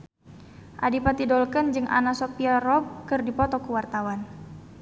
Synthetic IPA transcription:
ʔadipat̪idɔlkənd͡ʒɨŋʔa̰nasopiarɔb̚kɨrdipɔt̪ɔkuwart̪awan

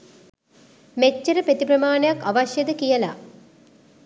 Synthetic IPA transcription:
met͡ʃːɐɾəpet̪ipɾɐmaːɳejakːaʋaɕjɐd̪əkijəla̰

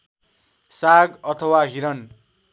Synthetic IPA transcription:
saɡʌt̪ʰʌwaɦiɾʌn

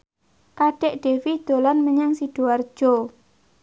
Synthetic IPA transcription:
kaɖ̥eʔɖ̥e̤wid̪̥olanməɲaŋsid̥uard̥ʒ̥o

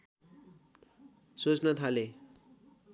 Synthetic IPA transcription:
sot͡snʌt̪ʰale

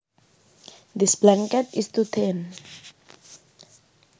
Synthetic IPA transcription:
d̪isblãŋkɛt̪ist̪ut̪ʰen

